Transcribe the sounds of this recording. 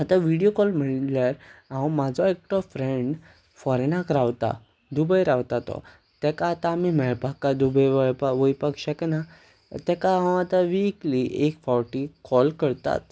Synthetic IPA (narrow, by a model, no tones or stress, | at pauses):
at̪aʋiɽijokɔlm̤əɳlaɾãmad͡zʱɔek̚ʈɔfɾeɳɖ | fɔɾɛnakɾaʋt̪a̰ | d̪ubəjɾaʋt̪at̪ɔ̰ | t̪ɛkaːt̪aːmimɛɭpakːad̪ubəjʋəɭpaʋojpakɕakɛna | t̪ɛkaãw̃at̪aʋikliʔekfawʈikɔlkəɾt̪a̰t̪